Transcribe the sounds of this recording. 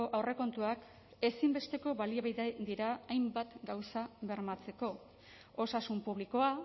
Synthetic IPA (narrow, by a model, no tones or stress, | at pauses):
oʔawre̞ko̞nt̪uak | e̞simbe̞st̪e̞ko̞βaliaβajðed̪iɾaːjmbat̪ɡawsaβe̞ɾmat͡se̞ko̞ | o̞sasumpuβliko̞a